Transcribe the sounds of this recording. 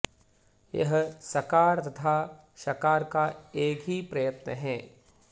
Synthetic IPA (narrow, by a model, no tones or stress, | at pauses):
jɐ̰ɦsɐkaːɾt̪ɐt̪ʰaː | ʃɐkaːɾkaeːkɦipɾɐjət̪nə̰ɦɛː